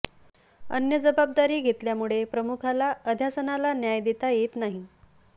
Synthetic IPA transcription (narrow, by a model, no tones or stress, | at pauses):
ə̰njəd͡zəbab̚d̪aɾiːɡʱet̪ljamuɭepɾəmukʰalaəd̪ʱjasənalanjajd̪et̪ajet̪naɦi